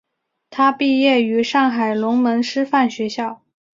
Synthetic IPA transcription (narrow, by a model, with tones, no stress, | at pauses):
t̪ʰa˥pi˥˧jɛ˥˩y˧˥ʂɑ˥˩ŋxa˨˩ɪlʊ˧˥ŋmə˧˥ŋʂɻ̩˥fa˥˩nɕɥɛ˧˥ɕjɑ˥˩ʊ